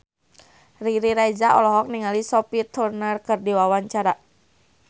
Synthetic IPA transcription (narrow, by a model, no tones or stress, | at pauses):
riɾiɾajd͡ʒaʔɔlɔɦɔk̚niŋalisɔpit̪ʰurnərkɨrdiwawaɲt͡ʃaɾa